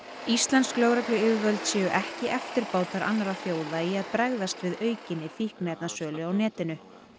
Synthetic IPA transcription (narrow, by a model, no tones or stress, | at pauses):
ist̪lɛnsklœːwɾaklʏɪðvœlt̪sjɛːjʏʔɛhcɪʔɛft̪ɪɾpaːwt̪aɾʔa̰nːaɾafjoːwðaiaðpɾɛɣðast̪vɪðœːɥcɪnːɪfihknɛp̪nasœːlʏawnɛːt̪ɪnʏ